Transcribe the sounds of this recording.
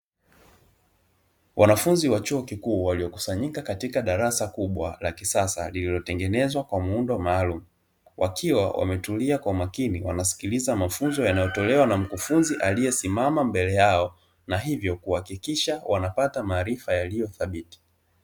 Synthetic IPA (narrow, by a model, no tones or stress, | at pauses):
wʔanafunziwat͡ʃuɔkikuːwaliɔku̥saɲikakatikaɗaɾasakuɓwa̰lakisasa̰lililɔtɛŋɡɛnɛzwakwamuundɔmaːlumu | wʔakʰiwawʔa̰mɛtuliakwaumakiniwanasi̥kilizamafunzɔjanajɔtɔlɛwanam̩kufunziʔalijɛsimamambɛlɛjaɔ | naɦivjɔkuhakikiʃawʔanapatamaːɾifajalijɔθaɓiti̥